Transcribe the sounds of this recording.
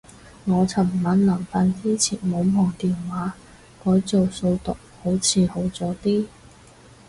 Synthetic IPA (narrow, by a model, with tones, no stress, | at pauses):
ŋɔː˨˧t͡sʰɐ˨˩mmɐ˨˥nlɐ˨˩ŋfaː˧nt͡siː˥t͡sʰḭː˨˩nmo˨˧wmɔː˨˩ŋt̪iː˨nwaː˨˥ | kɔː˨˥jt͡so˨wso˧wt̪ʊ˨k̚ho˨˥wt͡sʰiː˨˧ho˨˥wt͡sɔː˨˥t̪iː˥